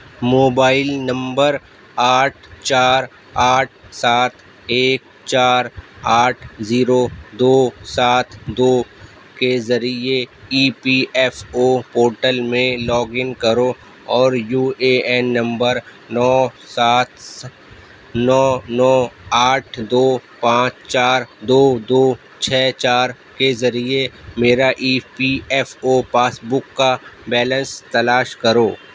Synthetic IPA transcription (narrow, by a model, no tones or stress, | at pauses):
moːbaːɪlnɐ̃mbəɾ | aːʈʰt͡ʃaːɾ | aːʈ̚ʰsaːt̪ʰ | eːk̚ | t͡ʃaːɾaːʈʰziːɾod̪oːsaːt̪ʰd̪oː | kezɐɾieiːpiʔɛːfopoːɾʈəlmẽlɔːɡɪnkɐɾo | ɔːɾjuːeɛːnːɐ̃mbəɾ | nɔː | saːt̪ | nɔːnɔːaːʈʰd̪oːpãːt͡ʃt͡ʃaːɾd̪oːd̪oː | t͡ʃʰɛːt͡ʃaːɾ | kezɐɾiemeːɾaʔiːpiɛːfoːpaːsbʊkːabɛːlə̃nst̪ɐlaːʃkɐɾoː